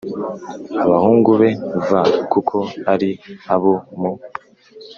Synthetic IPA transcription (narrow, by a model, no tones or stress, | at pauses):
aβahuːŋɡuβe̞vakukʰo̞aɾiaβomo